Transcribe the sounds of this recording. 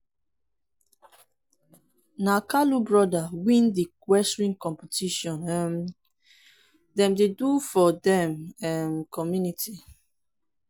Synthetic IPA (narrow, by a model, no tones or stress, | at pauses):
nakalubɹɔdawĩndikwɛsɹĩŋkɔ̃mpɛtiʃɔ̃nɛm | dɛ̃mdedufɔdɛ̃mɛmkʰɔmjunitʰi